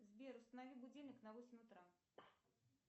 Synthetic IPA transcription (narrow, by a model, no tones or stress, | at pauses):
zbʲeɾʊst̪ənavʲibʊd͡zʲelʲnʲɪknɐvosʲɪmʲʊt̪ɾa